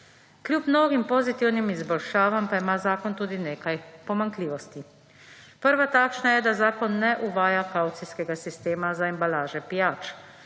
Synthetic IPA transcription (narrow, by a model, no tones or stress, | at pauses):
kljuːpmnoːɡimpɔzit̪iwnimizbɔlʃaːʋampaimaːzaːkɔnt̪uːd̪ineːkajpɔmaŋkliːʋɔst̪i | pəɾʋat̪aːkʃnajɛd̪azaːkɔnːɛʔuʋaːjakaːwt̪siskɛɡasist̪eːmazaɛmbalaːʒɛpijaːt͡ʃ